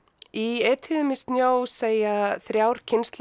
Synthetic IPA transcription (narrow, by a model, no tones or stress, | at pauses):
iɛːt̪ʰɪðʏmɪst̪njoːwseːjaθɾjawɾ̥cʰɪnst̪l